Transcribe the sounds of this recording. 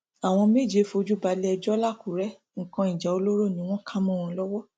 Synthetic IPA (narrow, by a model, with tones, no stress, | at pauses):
a˨w̃ɔ̃˧me˦˨d͡ʒe˧fo˧d͡ʒu˦ba˧lɛ˦ɛ˧d͡ʒɔ˦la˦˨ku˨ɾɛ˦ | ŋ̩˨kã˧i˨d͡ʒa˨o˧lo˦ɾo˦˨nĩ˧˦w̃ɔ̃˦kʰã˦mɔ̃˦˨w̃ɔ̃˧lɔ˦wɔ˦